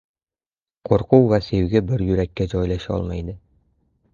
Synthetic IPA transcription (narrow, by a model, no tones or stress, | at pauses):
qoɾquwːæsewɡɘbɘɾjɵ̆ɾækːæd͡ʑɒjlˠɑʃæɒ̰lˠmɑjd̪ɤ